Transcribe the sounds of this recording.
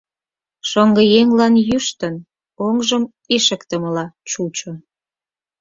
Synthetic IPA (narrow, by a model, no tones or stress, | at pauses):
ʃoŋɡəjeŋlɑnjyʃt̪ən | oŋʒəm | eʃə̆kt̪əməlɑt͡ɕut͡ɕo